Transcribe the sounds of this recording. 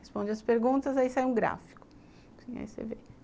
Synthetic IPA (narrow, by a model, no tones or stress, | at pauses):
hespõd͡ʒɪɐspeɾɡũt̪ɐzaisajuũɡɾa̰fi̥kʊ̥ | sĩa̰isḛve